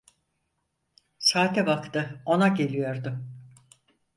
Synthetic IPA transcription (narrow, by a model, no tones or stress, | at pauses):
saːt̪ɛbakt̪ɯo̞naɟe̞lʲijo̞ɾd̪ʊ